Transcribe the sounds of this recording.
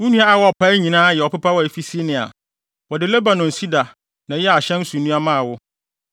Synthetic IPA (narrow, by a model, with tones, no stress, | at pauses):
wʊ̃˦nũ˦a˦a˨wɔ˦ɔ˨pʰa˦ɲĩ˨nãː˦jɛ˨ɔ˨pɪ˦pa˦wɔ˦˨fi˦si˦nɪ̃˨a̰˨ | wɔ˨dɪ˨lɛ˦ba˨nɔ̃˨n˨si˦da˨ | nã˨jɛ˦a˨ɕɛ̃˦n̩˦su˨˦nũ˦a˦mã˦a˨wʊ˦